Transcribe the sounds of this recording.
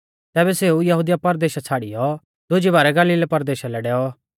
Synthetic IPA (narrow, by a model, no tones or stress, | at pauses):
t̪ɛːbɛseːujɐɦud̪ijapɐɾd̪eːʃat͡sʰaːɽijɔ | d̪ʊd͡ʒibaːɾɛɡaːliːlpɐɾd̪eːʃalɛɖɛːɔ